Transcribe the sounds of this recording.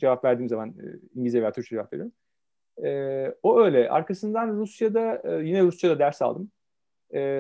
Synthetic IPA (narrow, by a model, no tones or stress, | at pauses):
d͡ʒevapvæɾd̪iːmzaman̰ːiɲɟizijeejaːt̪ʰyɾt͡ʃʰad͡ʒevapvḛɾiɾim | ɛːoø̞jlʲɛʔa̰ɾkʰasɯnd̪anɾusjad̪ajinɛɾusjad̪ad̪æɾsa̰lˠd̪ɯm | ɛː